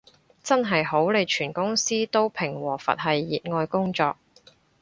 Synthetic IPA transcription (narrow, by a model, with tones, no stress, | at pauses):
t͡sɐ˥nɦɐ˨jɦo˨˥wle˨˧jt͡ʃʰyː˨˩nkʊ˥ŋsiː˥t̪o˥wpʰɪ˨˩ŋwɔː˨˩fɐ̰˨t̚ɦɐ˨jːiː˨t̚ŋɔː˧jkʊ˥ŋt͡sɔː˧k̚